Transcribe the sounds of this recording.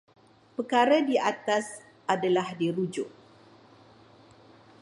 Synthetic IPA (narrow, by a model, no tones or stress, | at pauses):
pəkaɾadiat̪as | ʔadalahdiɾud͡ʒʊʔ̚